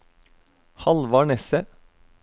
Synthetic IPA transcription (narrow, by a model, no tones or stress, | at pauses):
hɑlʋɑːɳɛsə